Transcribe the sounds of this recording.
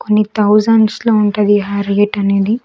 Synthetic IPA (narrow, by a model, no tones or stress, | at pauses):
konːit̪ʰɐwzɐnʈsloːuɳʈɐd̪iɦaːɾɡeʈɐneːd̪i